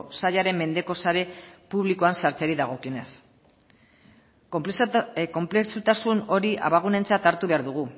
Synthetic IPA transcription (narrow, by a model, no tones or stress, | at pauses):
saʎaɾe̞mːe̞nd̪e̞ko̞saɾe̞puβlikoansaɾt͡seɾiðaɣ̞o̞kio̞ne̞s | ko̞mpleksut̪asuno̞ɾiʔa̰βaɣ̞une̞nt͡sat̪aɾt̪uβe̞aɾðuɣ̞u